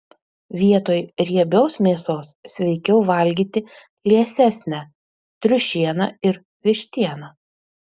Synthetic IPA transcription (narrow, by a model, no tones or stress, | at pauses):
ʋʲiɛt̪oːjɾʲiɛbʲoːsmʲeːsoːssʲʋʲɛɪkʲɛʊʋɐˑlʲɡʲiːt̪ʲɪ | lʲiɛsʲæsʲnʲæ | t̪ʲɾʲʊʃʲiɛnɐ̰ɪɾ | ʋʲɪʃʲt̪ʲiɛnɐ